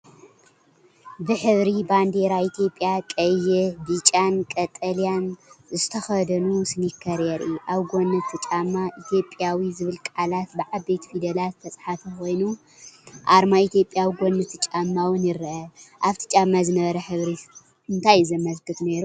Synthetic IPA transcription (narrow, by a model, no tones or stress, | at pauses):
bɨħɨβɾiband̪eɾait̪ʰjo̞pʼːjakʼɐjɛbit͡ʃʼankʼɐt̪ʼɐlijanzɨt̪ʰɐxɐd̪ɐnusɨnikʰːɐɾjɛɾʔiʔaβɡonːɨt̪ʰːɨt͡ʃʼamːaʔit̪ʰjo̞pʼjawizɨβɨlkʼʕalat̪bɨʕabet̪ʰfid̪ɐlat̪t̪ʰːɐt͡sʼħafixo̞jnu | ʔaɾmait̪ʰjo̞pʼjawiɡʷo̞nːɨt̪ʰːɨt͡ʃʼamːawɨnjɪɾɐʔɐʔaβt̪ʰi̥t͡ʃʼamːazɨnɐβɐɾɐħɨβɾi | ɨnt̪ʰajzɐmɐzkɨt̪neɾu